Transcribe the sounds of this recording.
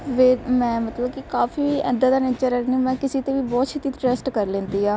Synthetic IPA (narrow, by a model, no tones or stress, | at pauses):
ʋeːmɛ̃ːmət̪ləb̚kikaːfiːɛ̰̃ːnd̪aːd̪aːneːt͡ʃəɾɛnimɛ̃ːkɪseːt̪eːʋiːbɔːt̪ʃʰɪt̪ːiːt̪ʈɛsʈkəɾlẽːnd̪iːaː